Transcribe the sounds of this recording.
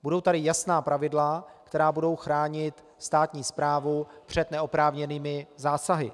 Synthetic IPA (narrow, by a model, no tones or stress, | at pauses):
budo̞wt̪adɪjasnaːpɾavɪdlakt̪ɛɾaːbudo̞wxɾaːɲɪt̪ | st̪aːt̪ɲiːspɾaːvupr̝̥ɛt̪nɛopɾaːvɲɛniːmɪzaːsaɦɪ